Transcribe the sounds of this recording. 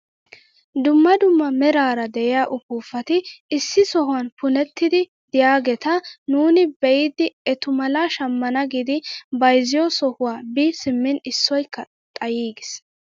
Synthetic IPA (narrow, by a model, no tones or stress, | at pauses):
d̪ʊmːɐd̪ʊmːɐmɛɾaːɾɐd̪ɛʔɪjaːʔʊpuːfɐt̪ɪɪsːɪsɔhʊwɐnpʊnɛt̪ːɪd̪ɪ | d̪ɪjaːɡɛt̪ɐnuːnɪbɛɪd̪ɪɛt̪ʊmɐlaːʃɐmːɐnɐɡid̪ɪbɐjzɪjɔsɔhʊwaːbisɪmːɪnɪsːɔjkːɐ | t̪ʼɐjiːɡɪs